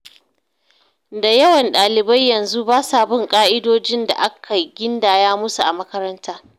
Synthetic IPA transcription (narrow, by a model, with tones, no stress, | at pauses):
da˨jɐ˦wɐ˨nɗaː˨lɪ˨ba˦jːɐ˨nzu˦baː˦saː˨bɪ˦ŋkʼaː˦ʔɪ˦doː˦d͡ʒɪ˦nda̰˨ʔa˦kʰa˨ɡʲɪ˦ndaː˨jaː˦mʊ˦su˨ʔa˨mɐ˦kɐ˦ɾɐ˦ntʰaː˦